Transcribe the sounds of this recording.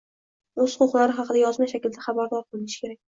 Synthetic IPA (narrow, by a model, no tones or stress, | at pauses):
oz̥qʊχlˠaɾɪχɑqʰɨd̪ajɒzmaʃakʲɪld̪aχɑbaɾd̪ɒɾqʰɨlˠɪnɪʃɪ̥kʲʰe̞ɾak̚ʲ